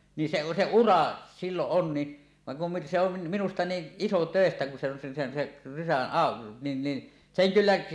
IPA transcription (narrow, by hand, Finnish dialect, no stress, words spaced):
ni se se urɑ silːoʔ ʔon ni ʋɑŋ kum mi se on minustɑ niːʔ ʔisotøˑestæ kun se on se sen seʔ rysæn ɑˑo nin ni seŋ kylːæ